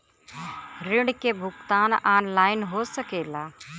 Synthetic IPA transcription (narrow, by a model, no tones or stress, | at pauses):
ɾɪɽkebʱʊkt̪aːnaːnlaːɪnɦosəkeːlaː